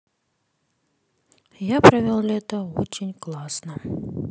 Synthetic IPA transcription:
japɾɐvʲɔlˠlʲɛt̪ɐɔt͡ʃʲenʲklˠasnɐ

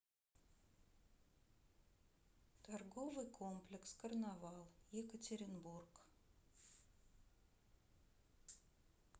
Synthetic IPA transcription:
t̪arɡovɨjkʰomplʲɪkskərnavɑlˠjɪkətʲɪɾʲɪnburk

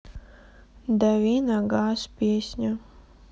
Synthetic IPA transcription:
d̪avʲinaɡaːspʲiɛsʲɲʲa

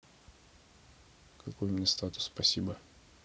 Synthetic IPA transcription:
kʰɐkojʊmnʲest̪at̪ʊ̥ssːpɐsʲibə

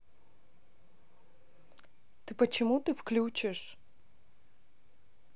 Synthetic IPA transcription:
t̪ɨpət͡ɕɪmut̪ɨfklʲut͡ɕɪʂ

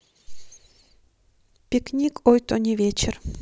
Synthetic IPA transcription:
pʲɪknʲikojt̪onʲɪvʲet͡ɕɪr

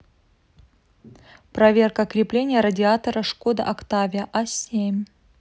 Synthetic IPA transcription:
pɾɐvʲe̞rkəkɾʲɪplʲenʲɪjəɾədʲɪat̪əɾəʂkod̪ɨ̰ʔɐkt̪avʲɪjəʔasʲemʲ

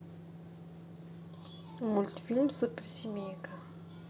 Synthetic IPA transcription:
umulʲt̪i̥filmsupeɾsimeka

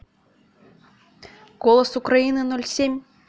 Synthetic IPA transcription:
ɡ̥olˠəsʊkɾɐinɨnolʲsʲemʲ

